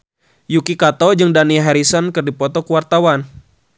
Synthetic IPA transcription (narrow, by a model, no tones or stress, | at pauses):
jukikat̪ɔd͡ʒɨŋdaniɦaɾisɔnkɨrdipɔt̪ɔkuwart̪awan